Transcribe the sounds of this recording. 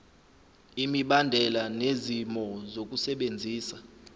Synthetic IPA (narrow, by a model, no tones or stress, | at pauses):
imiɓandʱɛlanezimɔzok̬ʼusɛɓend͡zʱiːsa